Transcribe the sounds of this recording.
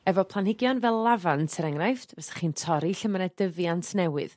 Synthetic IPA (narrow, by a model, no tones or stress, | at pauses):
ɛvɔpʰlˠanhɪɡjɔnvɛlˠlːavantʰəɾɛŋrajftvɛsḁχiːntʰɔɾiɬəmnɛdəvjantʰnɛwɪ̰ð̥